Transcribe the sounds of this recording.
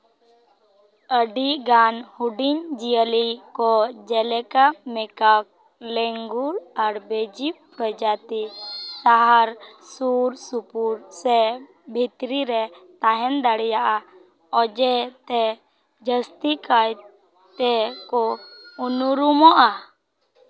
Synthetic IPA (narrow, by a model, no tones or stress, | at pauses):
əɖiɡanhuɖiɲd͡ʒijəlikɔd͡ʒɛlɛkamɛkak̚ | lɛŋɡuɾaɾbed͡ʒipɾəd͡ʒat̪isaɦaɾsuɾsupuɾsɛ | bʱit̪ɾiɾɛt̪aɦɛnd̪aɽɛjaʔa | ɔd͡ʒɛt̪ɛ | d͡ʒəst̪ikaj | t̪ɛkɔunuɾumɔʔa